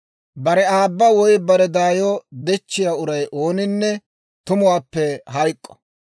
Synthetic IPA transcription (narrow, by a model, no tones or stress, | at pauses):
bɐɾɛaːbːɐwɔjbɐɾɛd̪aːjɔd̪ɛt͡ʃːɪjaːʊɾɐjʔoːnɪnːɛ | t̪ʊmʊwaːpːɛɦɐjkʼːɔ̥